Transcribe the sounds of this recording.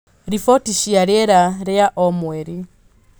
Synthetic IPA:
ɾifɔtiʃiaɾɛɾaɾɛaʔɔmwɛɾi

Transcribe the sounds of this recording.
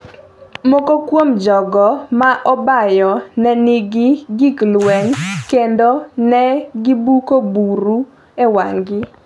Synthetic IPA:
mɔkokwomd͡ʒɔɡɔmaʔɔbajɔnɛnɪɡɪɡiklwɛŋkendonɛɡibukobuɾu | ewaŋɡɪ

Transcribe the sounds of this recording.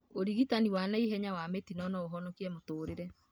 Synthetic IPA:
oɾiɣitaniwanaiɦɛɲawametinɔnɔoɦɔnɔkiɛmotoːɾeɾɛ

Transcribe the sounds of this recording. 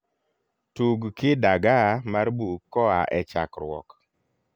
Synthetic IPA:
tuɡkɪdaɡamaɾbukɔaʔɛt͡ʃa̰kɾwɔ̰k

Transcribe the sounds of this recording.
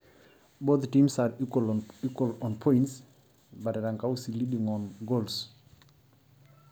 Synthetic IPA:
boθtĩmsaɹikwəlikwəlɔ̃npʰɔ̃ɪ̃nts | bateɾãŋkaʊsilidĩŋɔ̃nɡols

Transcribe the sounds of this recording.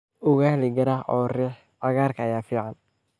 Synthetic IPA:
ʊɣahlɪɡɐɾaʔɔːrɛħ | ɐɣaːrkʰɐɐjaːfiːʕɑn

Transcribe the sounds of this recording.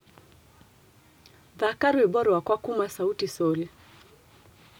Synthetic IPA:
ðakaɾiwɛɓɔɾɔwakwakumasautisɔli

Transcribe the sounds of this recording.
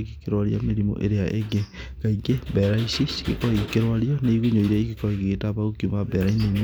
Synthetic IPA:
ɡekeɾwaɾia̰meɾimo̰ʔḛɾeaʔeɡe | ɡ̥aiɡebɛɾaisiɡekɔikeɾwaɾiɔneiɣuɲoiɾɛiɣekɔiɣetaβaokjumabɛɾainem

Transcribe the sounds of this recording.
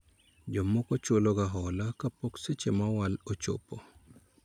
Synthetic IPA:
d͡ʒɔmokɔt͡ʃoloɡaɦɔlakapokset͡ʃemawalot͡ʃo̰po

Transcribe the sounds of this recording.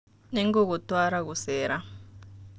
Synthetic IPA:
nɛŋɡɔkɔtʼwaɾaɣusɛːɾa

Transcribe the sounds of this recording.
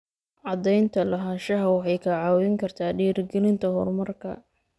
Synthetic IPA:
ʕɑd̪ɛjnt̪ʰɐlɐɦaʃɐɦɐwɑħɑjkʰɐʕɑːwɛŋkʰɐrt̪ʰaːɖiːrɡɛlɪnt̪ʰɐɦɔrmɐrkʰɐ̰

